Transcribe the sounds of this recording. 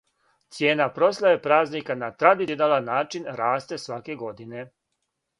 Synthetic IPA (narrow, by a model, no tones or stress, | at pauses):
t̪sje̞ːnapɾo̞slˠajepɾaːznikanat̪ɾad̪id̪alanaːt͡ʃinɾaːst̪e̞sʋake̞ɡo̞d̪ine̞